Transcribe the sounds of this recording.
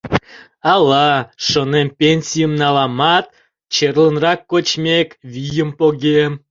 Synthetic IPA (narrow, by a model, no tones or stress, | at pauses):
ɑlˠɑʃonempʲenʲsʲijəmnɑlˠɑmɑt̪̚ | t͡ɕerlˠənrɑkːot͡ɕmʲekʲvʲijəmpoɡʲem